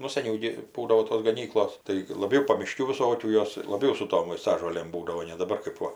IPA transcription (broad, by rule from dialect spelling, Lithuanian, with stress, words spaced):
ˈnʊ sɐˈnʲɛʊ ɡʲɪ ˈbuːdɐʋoː toːs ɡɐˈnʲiːklˠoːs tɐɪ ɪr lˠɐˈbʲɛʊ pɐmʲɪˈʃʲkʲuː ʋʲɪˈsoːkʲuː ˈjoːs lˠɐˈbʲɛʊ sʊ ˈtoːm ʋɐɪˈstɑːʒoːlʲeːm ˈbuːdɐʋoː nʲɛ dɐˈbɐr kɜp ˈʋɐ